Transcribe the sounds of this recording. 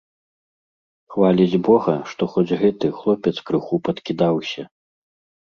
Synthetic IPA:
xvalʲid͡zʲbɔɣɐʂt̪ɔxɔd͡zʲɣɛt̪ɨxlˠɔpʲɛt̪skɾɨxupɐt̪kʲid̪awsʲɐ

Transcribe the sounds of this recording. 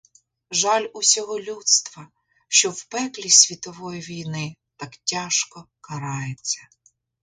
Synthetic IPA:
ʒɑlʲʊsʲɔɦɔlʲut̪st̪ʋɐ | ʃt͡ʃɔwpɛklʲisʲʋʲit̪ɔʋɔjiʋʲijnɪt̪ɑktʲɑʃkɔ | kɐɾɑjet͡sʲːɐ

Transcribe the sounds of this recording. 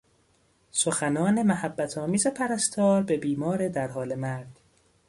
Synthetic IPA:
soxænɒːne̞mæhæbːæt̪ʰɒːmiːzepʰæɾæst̪ʰɒːɾbe̞biːmɒːɾed̪æɾɦɒːle̞mæɾd̪̥

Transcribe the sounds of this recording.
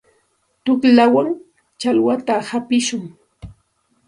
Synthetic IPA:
t̪ʊklawaŋ | t͡ʃalwat̪ahapɪʃʊŋ

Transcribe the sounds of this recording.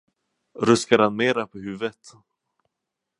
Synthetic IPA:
ɾɵskaɾhanmeːɾapʰɔhʉ̟ːvət̪

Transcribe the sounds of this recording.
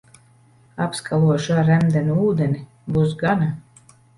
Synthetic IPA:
apskʰalˠuɔʃaɾæmd̪ʲɛnuuːd̪ɛnʲi | bus̬ɡana

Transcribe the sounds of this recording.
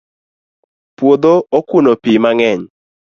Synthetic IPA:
pwod̪ookunopimaŋɛɲ

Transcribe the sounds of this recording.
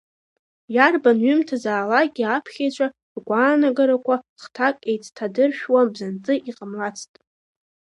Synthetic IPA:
jarbanɥʏmtʰazaːlaɡʲiapʰχʲet͡ɕʷʰʼa | rɡʷaːnaɡaɾakʷʰaχtʰakʼejt͡sʰʼtʰadɨrʃᶣwabzant͡sʼɨʔiqʼəmlat͡sʰtʼ

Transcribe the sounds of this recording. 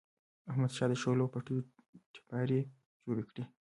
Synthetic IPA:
ahmad̪ʃɑd̪əʃolopaʈujo | ʈɪ̥pɑɾe | d͡ʒoɽekɽi

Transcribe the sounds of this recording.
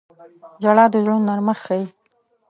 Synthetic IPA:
d͡ʒaɽɑd̪əʒɽonnaɾməxxaji

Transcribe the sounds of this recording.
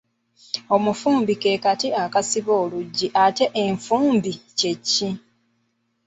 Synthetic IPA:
o̞mufuːmbike̞katiakasiβo̞ːluɟːiʔate̞ʔeɱfuːmbice̞cːi

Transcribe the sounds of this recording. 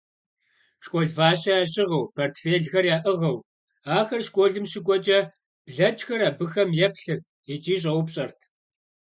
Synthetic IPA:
ʃkʷʼɔɮvaːɕɐaːɕʼɪʁɐwpʰortfeːɮxɐrjaːʔɨʁɐw | aːxɐrʃkʷʼɔɮɨmɕɪɡʷʼɔt͡ʃʼɐ | b̥ɮɐt͡ʃxɐɾaːbɨxɐmjɛpɬɨrt̚ʰit͡ʃʼiːɕ̬ʼɐwpɕʼɐrtʰ

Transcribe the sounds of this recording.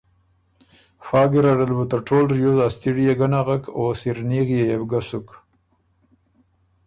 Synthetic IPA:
fɑːɡeɾaɽalbut̪aʈʰolɾjozɑst̪iɽijeɡanaɣakʰosiɾniɣjejebɡasʊk

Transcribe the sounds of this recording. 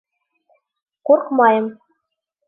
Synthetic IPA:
kurkmɑjɤ̆m

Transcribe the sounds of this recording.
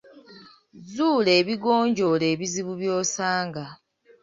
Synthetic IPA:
zuːle̞ːβiɡoːɲɟo̞le̞ːβiziβuβjoːsaːŋɡa

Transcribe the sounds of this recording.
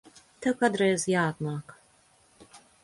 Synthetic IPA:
t̪ɨkad̪ɾɛjzjaːt̪maːk

